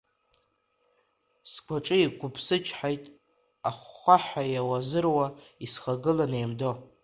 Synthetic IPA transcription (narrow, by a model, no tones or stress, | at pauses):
skʷʰaʈ͡ʂʼɨiɡʷʊpʰsɨt͡ʃʰʼħajtʼ | aχʷaħajawazɨrwaisχaɡɨlanejmdo̞